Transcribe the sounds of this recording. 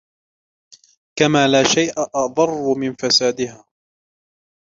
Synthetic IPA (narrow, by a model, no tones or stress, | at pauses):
kamaːlaːʃajʔaʔɑðˤɑrˤːʊmɪnfasaːd̪ɪɦaː